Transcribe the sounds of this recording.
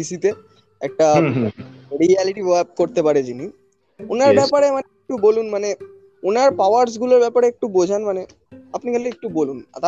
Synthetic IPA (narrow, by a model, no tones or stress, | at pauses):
isit̪e | ɛ̰k̚ʈa | ɾiɛliʈibap̚koɾt̪epaɾed͡ʑini | ʊnaɾbɛpaɾemaneek̚ʈubolunmane | unaɾpawaɾs̬ɡuloɾbɛpaɾeek̚ʈubod͡ʑʱanmane | apnikɛleek̚ʈuboluna̰t̪a